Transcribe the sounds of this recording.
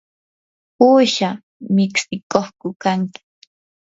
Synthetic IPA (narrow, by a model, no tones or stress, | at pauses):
puːʃa | mɪksɪkoχkʊkaŋkɪ̥